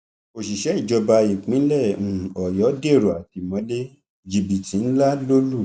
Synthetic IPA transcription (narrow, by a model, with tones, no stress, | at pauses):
o˨ʃi˨ʃɛ˨˦i˦˨d͡ʒɔ˧ba˧i˨k͡pĩ˨˦lɛ˦˨ũ˨ɔ˨jɔ˨˦de˦˨ɾo˨a˨ti˨mɔ̃˨˦le˦ | d͡ʒi˨bi˨tĩ˨˦n̩˦la˦lo˦lu˦˨